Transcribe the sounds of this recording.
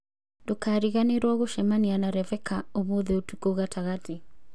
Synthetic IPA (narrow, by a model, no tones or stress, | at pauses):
dokaɾiɣaneɾwɔɣoʃɛmanianaɾɛvɛkʰaoβoðɛotukoɣataɣati